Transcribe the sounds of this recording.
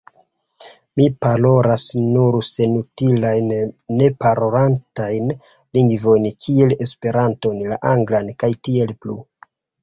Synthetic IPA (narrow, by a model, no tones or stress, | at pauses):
mipalo̞ɾasnuɾse̞nutilajnːe̞paɾoɾantajn | liŋɡvo̞jnkʰie̞le̞spe̞ɾanto̞nlaʔaŋɡlankajtie̞lplu